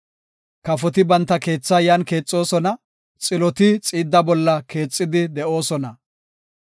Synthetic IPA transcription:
kɐfɔt̪ɪbɐnt̪ːɐke̞ːt͡sːɐjanke̞ːt͡sʼːo̞ːsɔnɐ | t͡sʼɪlɔt̪ɪt͡sʼiːd̪ːɐbɔlːɐke̞ːt͡sʼːɪd̪ɪd̪ɛʔo̞ːsɔnɐ

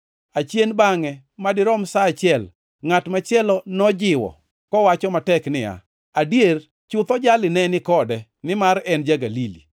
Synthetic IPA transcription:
at͡ʃjenbaŋɛ | madɪɾɔmsaːt͡ʃjɛl | ŋatmat͡ʃjɛlɔnɔd͡ʒɪwɔ̰ | kɔwat͡ʃɔmatɛknɪja̰ | adjer | t͡ʃʊt̪ɔd͡ʒalɪnɛnɪkɔdɛ | nɪmaɾɛnd͡ʒaɡalili

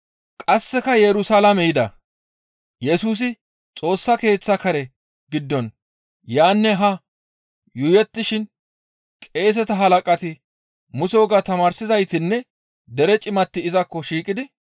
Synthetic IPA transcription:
kʼɐsːɛkɐjɛɾʊsalɐmɛjɪd̪ɐ̰ | jɛsuːs̬ɪ | t͡sʼo̞ːsːɐke̞ːt͡sːɐkɐɾɛ | ɡɪd̪ːɔn | jaːnːɛɦɐ | jʊjɛt̪ːɪʃɪn | kʼe̞ːs̬ɛt̪ɐɦɐlɐkʼɐt̪ɪ | mʊso̞ːɡat̪ɐmaːɾsɪzɐjt̪ɪnːɛ | d̪ɛɾɛt͡ʃʼɪmɐt̪ːɪɪzɐkːɔʃiːkʼɪd̪ɪ

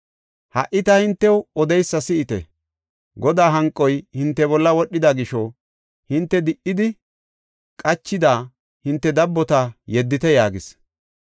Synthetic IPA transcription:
hɐʔɪt̪ɐhɪnt̪ːɛwɔd̪ɛjsːɐsɪʔɪt̪ɛ̰ | ɡɔd̪aːɦɐŋkʼːɔjhɪnt̪ːɛbɔlːɐwɔɗːɪd̪ɐɡɪʃɔ | hɪnt̪ːɛd̪ɪʔːɪd̪ɪ | kʼɐt͡ʃːɪd̪aː | hɪnt̪ːɛd̪ɐbːɔt̪ɐjɛd̪ːɪt̪ɛjaːɡɪs

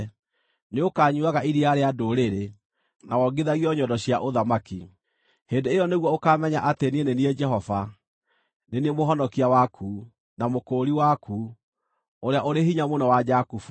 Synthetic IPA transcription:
neokaːɲuaɣaʔiɾiaɾeadoɾeɾe | nawɔɡeðaɣiɔɲɔdɔɕiaʔoðamaki | heːndeːjɔneɣwɔokamɛɲaʔatenenenied͡ʒɛɦɔva | neniemoɦɔnɔkiawakʰuː | namokoɾiwakuː | oɾeaʔoɾehiɲamonɔwad͡ʒakufu

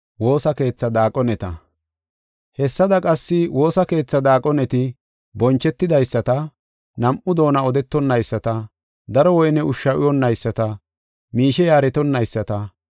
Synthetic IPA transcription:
wo̞ːsɐke̞ːt͡sːɐd̪aːkʼɔnɛt̪ɐ | hɛsːɐd̪ɐkʼɐsːɪwo̞ːsɐke̞ːt͡sːɐd̪aːkʼɔnɛt̪ɪ | bɔnt͡ʃːɛt̪ːɪd̪ɐjsːɐt̪ɐ | nɐmʔʊd̪o̞ːnɐɔd̪ɛt̪ːɔnːɐjsːɐt̪ɐ | d̪ɐɾɔwɔjnɛʊʃːɐwʔɪjɔnːɐjsːɐt̪ɐ | miːʃɛjaːɾɛt̪ɔnːɐjsːɐt̪ɐ

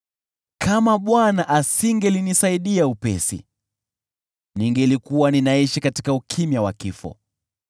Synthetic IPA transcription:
kamaɓwanaʔasiŋɡɛlinisaiɗiaupɛ̰sḭ | niŋɡɛlikuwaninaiʃikati̥kaukʰimjawa̰kifɔ̰

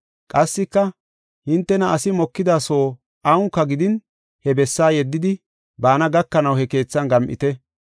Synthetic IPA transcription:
kʼɐsːɪkːɐ | hɪnt̪ːɛnɐɐsɪmɔkːɪd̪aːsoː | ʔɐʊŋkːɐɡɪd̪ɪn | hɛbɛsːaːjɛd̪ːɪd̪ɪ | baːnɐɡɐkːɐnɐwhɛke̞ːt͡sːɐnɡɐmʔɪ̰t̪ɛ

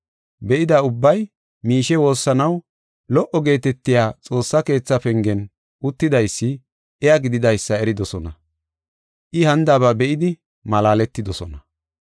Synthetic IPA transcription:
bɛʔɪd̪ɐʊbːɐj | miːʃɛwo̞ːsːɐnɐw | lɔʔɔɡe̞ːt̪ɛt̪ːɪjaːt͡sʼo̞ːsːɐke̞ːt͡sːɐpɛŋɡɛn | ʔʊt̪ːɪd̪ɐjsːɪ | ɛjaɡɪd̪ɪd̪ɐjsːɐɛɾɪd̪ɔsɔnɐ | ʔɪhɐnd̪ɐβɐbɛʔɪd̪ɪ | mɐlaːlɛt̪ːɪd̪ɔsɔnɐ

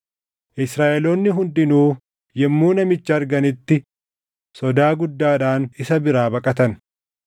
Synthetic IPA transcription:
ʔɪsɾaːʔɛloːnːɪɦʊnd̪ɪnuː | jɛmːuːnɐmɪt͡ʃːɐːɾɡɐnɪt̪ːɪ | sɔd̪aːɡʊd̪ːaːᶑaːnɪsɐbɪɾaːbɐkʼɐt̪ɐn

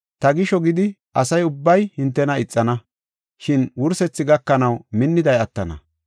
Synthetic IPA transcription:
t̪ɐɡɪʃɔɡɪd̪ɪ | ʔɐsɐjʊbːɐjhɪnt̪ːɛnɐɪt͡sʼːɐnɐ | ʃɪnwʊɾsɛt͡sːɪɡɐkːɐnɐwmɪnːɪd̪ɐjɐt̪ːɐnɐ̰

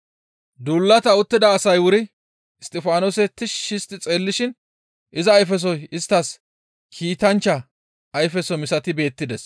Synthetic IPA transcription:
d̪uːlːɐt̪ɐʊt̪ːɪd̪ɐːsɐjwʊɾɪ | ɪst̪ʼɪfaːnoːsɛt̪ɪʃːɪst̪ɪt͡sʼe̞ːlːɪʃɪn | ʔɪzɐːjfɛs̬ɔjɪst̪ːɐs | kʰiːt̪ɐnt͡ʃːɐ | ɐjfɛsɔmɪsɐt̪ɪbe̞ːt̪ːɪd̪ɛs

